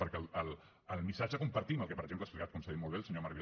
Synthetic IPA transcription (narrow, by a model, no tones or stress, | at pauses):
pəɾkɛləl | əlˠmisad͡ʒəkumpəɾt̪iməlˠkɛpəɾəɡʒempləasplikat̪̚kunsəðit̪molβelˠsəɲomaɾβiɾ